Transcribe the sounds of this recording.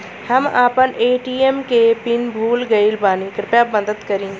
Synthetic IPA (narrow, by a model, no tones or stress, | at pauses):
hɐmaːpəneːʈiːemkepɪnbʱuːlɡɐilbaːnikɾɪpjaːbəd̪ət̪kɐɾĩː